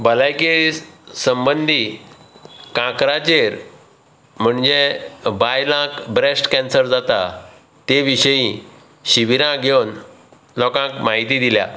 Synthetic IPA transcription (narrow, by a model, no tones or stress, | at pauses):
bəlajkesəmbənd̪ʱi | kãkɾat͡ɕeɾ | m̤əɳd͡ʑebajlãkbɾesʈkɛnsəɾd͡zat̪a | t̪eʋiɕəjĩ | ɕiʋiɾãɡʱewn | lɔkãkmaɦit̪iːd̪ilja̰